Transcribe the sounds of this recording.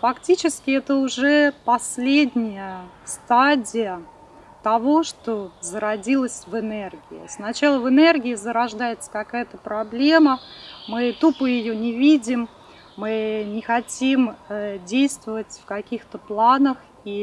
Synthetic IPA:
fɐktʲit͡ɕɪskʲɪɛt̪əʊʐɛpɐsʲlʲedʲnʲɪjə | st̪adʲɪjə | t̪ɐvo̞ʂt̪ozəɾɐdʲilˠəsʲvɨnɛrɡʲɪɪ̰snɐt͡ɕalˠəvɨnɛrɡʲɪɪzəɾɐʐd̪ajɪt̪sə̥kɐkajət̪əpɾɐblʲe̞məmɨt̪upɨjɪjonʲɪvʲidʲɪmː | ɨnʲɪxɐtʲimdʲejst̪vəvətʲfkɐkʲixt̪əplˠanəx | i

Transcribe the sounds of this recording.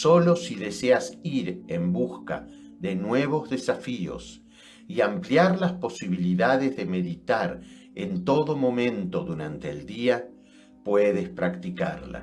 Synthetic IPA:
so̞lo̞siðe̞seasiɾe̞mbuska̰ | ðe̞nwe̞β̞o̞zðe̞safio̞̰s | iampljaɾlaspo̞siβ̞iliðaðezðe̞me̞ðit̪aɾ | ent̪o̞ðo̞mõ̞mẽ̞nt̪o̞ðuɾant̪eːld̪ia | pweðespɾakt̪ika̰ɾla̰

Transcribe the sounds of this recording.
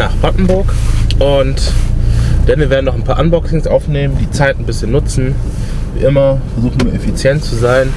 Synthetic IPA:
naːχb̥ʁaʔn̩bʊɐkʔʊnt | d̥anviːɐveɐdn̩nɔχnpʰaːɐʔanbɔksɪŋsʔaʊfneːməndiːt͡saɪtn̩bɪsçənːʊt͡sn̩ | vḭːʔɪmɐfɛɐzuːχn̩nuːɐʔefit͡sjɛntt͡suzaɪn

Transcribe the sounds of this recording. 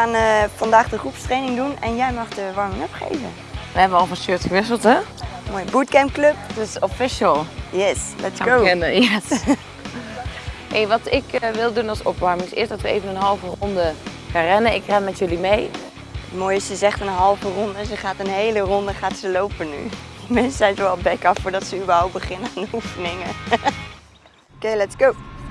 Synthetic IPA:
aːnəfɑndaːχdəχrupstrejnɪŋdunɛnjɛjmɑχdəʋɑɹmɪŋɔpχḛjvə̰ | ʋəɦɛbəɑlˠfɔnsøːtχəʋɪsəlˠtɛmoːjəbutkɛmpklɵp̚dɪsɔfɪʃəlˠjɛslɛtsɡoɛnəɛs | heʋɑtɪkʋɪlˠdunɑsɔ̰pʋɑɹmɪŋsɪ̰sdɑtʋəḛjvənənɦɑlˠvərɔndə | χanrɛnəɪkrɛnmɛtjɵlimej | ətmoːjɪssəzɛχtənɦɑlˠvərɔndəzəχaːtənɦejlərɔndəχaːtsəlowpənːy̰dəmɛnsəzɛjnzəɑlˠbɛkɑffʊːɹdɑtsəybəɹɦawp̚t̚bəχɪnəaːndəufənɪŋə | okejlɛtsɡ̥ow

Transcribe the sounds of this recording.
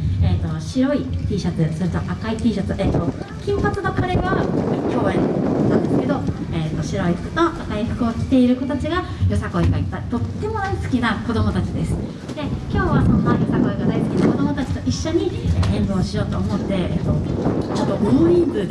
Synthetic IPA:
eːt̪o̞ɕiɾo̞it̪ʲiːɕat͡sɨsoɾɯ̟t̪o̞ʔakait̪ʲiːɕat͡sɨʔet̪ːo̞ | kʲĩmpat͡sɨd̪akaɾeβakʲo̞ːẽ̞nt̪ːãnd̪e̞sɨ̥ke̞d̪o̞eːt̪ːo̞ɕiɾo̞iɯ̥kɯt̪o̞ak̪aiɸɯ̟kɯ̟okʲi̥t̪e̞iɾɯ̟ko̞t̪at͡ɕiɡa | jo̞sako̞eɡait̪ːat̪o̞t̪ːe̞mo̞d̪aisɨ̥kʲinako̞d̪o̞mo̞t̪at͡ɕid̪e̞sɨ̥ | d̪̥e̞kʲo̞ːβasomajo̞sako̞eɡad̪aisɨ̥kʲinako̞d̪o̞mo̞t̪at͡ɕi̥t̪o̞ʔiɕːo̞ɲ̟iẽ̞nzo̞ːɕijo̞ːt̪o̞ːmo̞t̪ːe̞ḛːt̪ːo̞t͡ɕo̞t̪ːoɡomoɲʲĩmbɯ̟d̪

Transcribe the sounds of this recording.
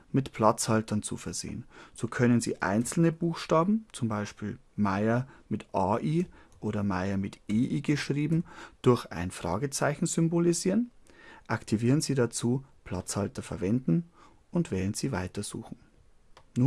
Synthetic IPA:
mɪtpʰl̥at͡shaltɐnt͡sṵfɛɐz̥ḛːənz̥oːkʰœnənzḭːʔa̰ɪnt͡sl̩nəbuːxʃtaːbm̩t͡sʊmbaɪʃpiːl | maɪɐmɪtʔaːʔiːʔoːɾɐmaɪɐmɪtʔeːʔiːɡəʃʁ̥iːbm̩d̥ʊɐça̰ɪnfʁ̥a̰ːɡət͡saɪçn̩zʏmboliziːʁənʔaktʰiviːʁənziːdat͡suːpʰl̥a̰t͡shaltɐfɛɐvɛndn̩ | ʔʊntv̥ɛːlənz̥iːva̰ɪtɐz̥ṵːxn̩ | nuː

